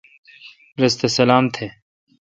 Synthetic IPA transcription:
ɾɐst̪esɐlaːmt̪ʰe

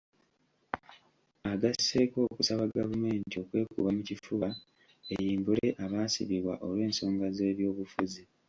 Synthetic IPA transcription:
aɡase̞ko̞ːkusaβaɡavume̞ːntio̞kwe̞ːkṵβamucifuːβa | ejiːmbule̞ʔaβaːsḭβiβwa̰ʔo̞lwe̞ːnso̞ːŋɡaze̞ːβjo̞ːβufuzi

